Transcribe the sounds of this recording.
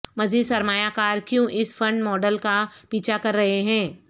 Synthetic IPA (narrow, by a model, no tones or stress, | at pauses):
mɐziːd̪sɐɾmaːjakaːɾkjõʔɪsfɐ̃ɳɖmɔːɖəlkapiːt͡ʃʰakɐɾːɐɦeɦɛ̃ː